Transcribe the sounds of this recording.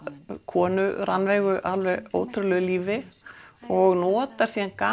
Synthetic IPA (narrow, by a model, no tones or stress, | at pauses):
kʰɔːnʏɾanvɛːɣʏʔalvɛɣoːwt̪ʰɾʏlœɣliːvɪ | ɔɣnɔːt̪aɾ̥siːanka